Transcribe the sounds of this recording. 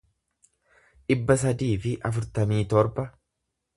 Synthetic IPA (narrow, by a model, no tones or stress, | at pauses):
ᶑɪbːɐs̬ɐd̪iːfɪʔɐfʊɾt̪ɐmiːt̪ɔɾbɐ